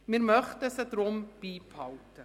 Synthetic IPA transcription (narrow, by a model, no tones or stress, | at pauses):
mɪɾmœχtəsədrʊmb̥iːphɑltə